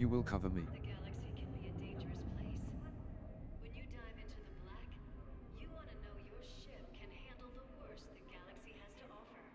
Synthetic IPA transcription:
ɨwɪlˠkʰʌvə˞mḭðɨɡælˠɨksikʰɨ̃nbiɨdẽɪ̃nd͡ʒə˞ɨspʰl̥eɪs | wɨ̃njɨdaɪvɪ̃ntʰʉðəblækjɨwɑ̃nɨnoʊjə˞ʃɪp̚kʰɨ̃nhæ̃ndˡl̩ˠðəwɜ˞sðɨt̚ɡ̥ælˠəksiɨz̥tʰəʔɔfə˞

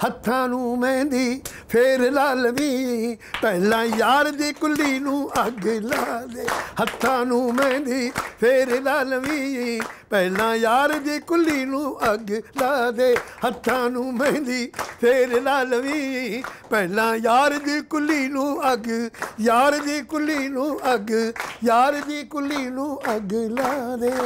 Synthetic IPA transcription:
hət̪ʰːãːnũːmɛ̃ːnd̪iː | pʰeːɾlaːlʋiː | pɛːlãːjaːɾd̪iːkʊlːiːnũːʔəɡlad̪eːhət̪ʰːãːnũːmɛ̃ːnd̪iːpʰeːɾlaːlʋiːpɛːlãːjaːɾd̪iːkʊlːiːnũːəɡlaːd̪eːhət̪ʰːãːnũːmɛ̃ːnd̪iːpʰeɾlaːlʋiːpɛːlãːjaːɾd̪iːkʊlːiːnũːəɡjaːɾd̪iːkʊliːnũːəɡjaːɾd̪iːkʊlːiːnũːəɡlaːd̪eː

